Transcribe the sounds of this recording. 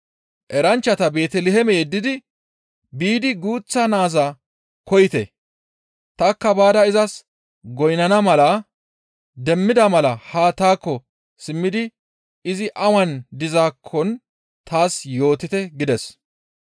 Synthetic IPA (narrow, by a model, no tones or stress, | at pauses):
ʔɛɾɐnt͡ʃːɐt̪ɐbe̞ːt̪ɛlɛɦɛmɛjɛd̪ːɪd̪ɪ | biːd̪ɪɡuːt͡sːɐnaːzaː | kɔjɪt̪ɛ̰ | t̪ɐkːɐbaːd̪ɐɪzɐs | ɡɔjnɐnɐmɐlɐ | d̪ɛmːɪd̪ɐmɐlɐhaːt̪aːkːɔ | sɪmːɪd̪ɪ | ɪzɪʔɐwɐnd̪ɪzaːkʰːɔn | t̪ʰaːsjo̞ːt̪ɪt̪ɛɡɪd̪ɛs